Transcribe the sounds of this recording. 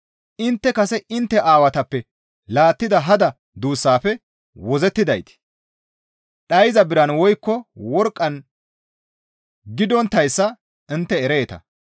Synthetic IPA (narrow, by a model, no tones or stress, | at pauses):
ʔɪnt̪ːɛkɐsɛʔɪnt̪ːɛʔaːwɐt̪ɐpːɛ | laːt̪ːɪd̪ɐɦɐd̪ɐ | d̪uːsːaːfɛ | wɔzɛt̪ːɪd̪ɐjt̪ɪ̥ | ɗɐjzɐbɪɾɐnwɔjkːɔwɔɾkʼːɐn | ɡɪd̪ɔnt̪ːɐjsːɐ | ɪnt̪ːɛɛɾe̞ːt̪ɐ̰